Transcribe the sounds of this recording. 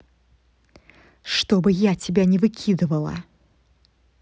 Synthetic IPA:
ʂt̪obɨjatʲɪbʲanʲɪvɨkʲʰid̪ɨvəlˠə̰

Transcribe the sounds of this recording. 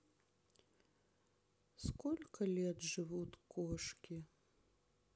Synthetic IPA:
skɔlʲkɐlʲɛd̪ʐɨvut̪ʲkʰɔʂkʲi

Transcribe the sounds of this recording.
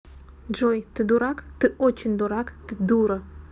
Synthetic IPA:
d͡ʒojt̪ɨd̪uɾakt̪ɨʔot͡ʃʰind̪uɾakt̪ɨd̪uɾə

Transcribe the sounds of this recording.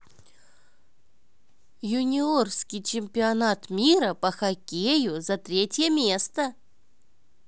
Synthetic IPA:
jʊnʲɪorskʲɪjt͡ɕɪmʲpʲɪɐnat̪mʲiɾəpəxakʲejʊzɐt̪ɾʲetʲjəmʲest̪ə

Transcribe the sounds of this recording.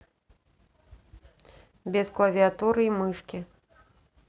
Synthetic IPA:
bʲɛsklˠɐvʲiat̪uɾɨimɨʂkʲi

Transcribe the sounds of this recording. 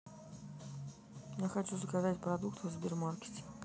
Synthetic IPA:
jaxɐt͡ɕuzəkazatʲpɾɐd̪ukt̪vzbʲɪrmarkʲɪ̥tʲɪ̥

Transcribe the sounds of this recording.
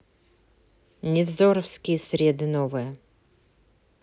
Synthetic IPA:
nʲɛvzoɾəfskʲijɛsɾʲed̪ɨnovɨjə

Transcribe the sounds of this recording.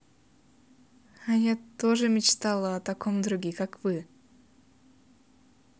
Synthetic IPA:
ajat̪oʐɨmʲɪt͡ɕt̪alˠəɐt̪ɐkomd̪ɾʊɡʲikakvɨ

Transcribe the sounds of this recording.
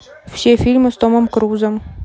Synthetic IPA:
fsʲefʲilʲmɨst̪oməmkɾuzəm

